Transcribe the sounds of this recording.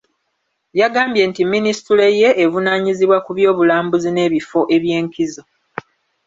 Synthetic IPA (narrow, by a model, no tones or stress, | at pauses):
jaɡaːmbje̞ːntimːinistule̞je̞ʔːvunaːɲiziβwakuβjo̞ːβulaːmbuzine̞ːβifo̞ʔe̞βje̞ːŋkizo̞